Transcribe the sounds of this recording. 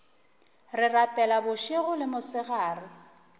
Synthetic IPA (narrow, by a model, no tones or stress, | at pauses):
rɪrapʼɛlabʊʃeɣʊlɪmʊsɪɣaːrɪ